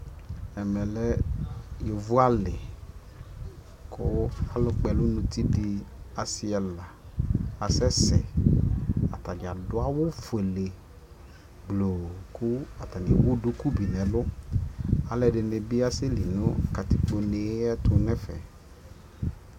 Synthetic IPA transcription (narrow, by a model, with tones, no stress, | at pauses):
ɛ˨mɛ˨lɛ˦jo˨vʊ˦a˦lɪ˨ | kʰʊ˦a˨lʊ˦k͡pɛ˨lʊ˦nʊ̃˧ti˦dɪ˧a˨sɪ˦ɛ˨la˨a˨sɛ˦sɛ̰˨ | a̰˨ta˨d͡ʒa˨dʊ˦a˦wʊ˦fʊ˨e˨le˨ | ɡ͡blo˨kʊ˦a˨ta˨nɪ˨wʊ˦dʊ˦ku˦bi˨nɛ̃˨lʊ˦ | a˨lɛ˨ɖɪ˨ne˨bɪ˦a˦sɪ˦li˨nʊ̃˦˨ka˨t̪ɪ˨k͡po˨ne˨˦ɛ˦tʊ˧nɛ˦fɛ̰˨